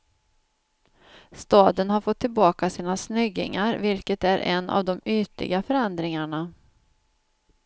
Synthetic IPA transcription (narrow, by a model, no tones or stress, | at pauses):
st̪ɑːd̪ənɦaɾfɔt̪ʰːɪlbɑːkasiːnasnʏɡːɪ̰ŋaɾvɪlkət̪æɾʔɛ̰nːʔa̰vd̪ɔmyːt̪lɪ̰ɡafœɾɛnd̪ɾɪŋaɳa